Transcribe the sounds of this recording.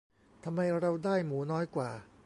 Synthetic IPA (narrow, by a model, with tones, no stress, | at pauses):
t̪ʰa˧mːa˧jɾa˧wdaː˥˩jmuː˩˦nɔː˦˥jkwaː˨˩